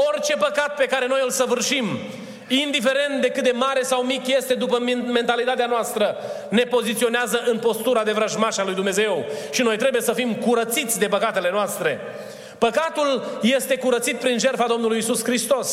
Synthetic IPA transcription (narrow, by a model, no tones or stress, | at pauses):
ort͡ʃe̞pəkat̪̚pe̞kaɾe̞no̞jɨlsəvɨrʃim | ind̪ife̞ɾe̞nt̪̚d̪e̞kɨt̪̚d̪emaɾe̞sawmikʲje̞st̪e̞d̪upəme̞nt̪alit̪at̪eanoast̪ɾə | ne̞po̞zit̪sio̞neazəʔɨnpo̞st̪uɾad̪e̞vɾaʒmaʃalujd̪umneze̞wʃino̞jt̪ɾe̞buje̞səfimkuɾət̪sit̪sʲd̪e̞pəkat̪e̞lenoast̪ɾe̞ | pəkat̪ulje̞st̪e̞kuɾət̪sit̪̚pɾinʒe̞rfad̪o̞mnulujisuskɾist̪o̞s